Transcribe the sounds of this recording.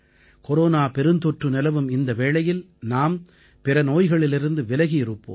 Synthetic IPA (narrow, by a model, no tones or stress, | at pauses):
kɔɾoːnaːpɛɾɯnd̪ɔʈrɯnɪlɐʋɯmɪnd̪ɐʋeːɭɐjɪl | naːm | pɪɾɐnoːjɣɐɭɪlɪɾɯnd̪ɯʋɪlɐɣijɪɾɯpːo̰ːm